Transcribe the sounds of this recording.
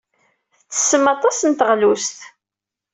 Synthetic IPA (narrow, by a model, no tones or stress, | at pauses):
θt͡sːə̥sːəmɑt̪ˤɑsənt̪əʁlust̪